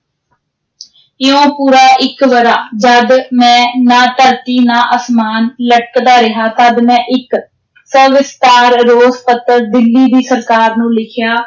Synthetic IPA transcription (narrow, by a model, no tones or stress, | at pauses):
ɪõːpuːɾaːʔɪkʋəɾaːd͡ʒəd̪mɛ̃ːnaːt̪əɾt̪iːnaːʔəsmaːnləʈəkd̪aːɾɪɦaːt̪əd̪mɛ̃ːʔɪk | səʋɪst̪aːɾɾoːspət̪əld̪ɪlːiːd̪iːsəɾkaːɾnũːlɪkʰjaː